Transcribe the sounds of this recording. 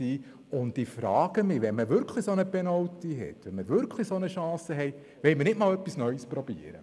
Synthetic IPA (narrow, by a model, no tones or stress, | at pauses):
iː | ʊntifɾɑːɡ̥əmɪʋɛnməʋʏɾkʰlisonəpɛnɔwtiɦɛ̰tːʋɛnməʋʏɾkʰlisonəʃɑ̃ːsəɦɛɪ | ʋɛlmənɪtmɑːlœpːisnœʏspɾɔb̥ḭəɾə̰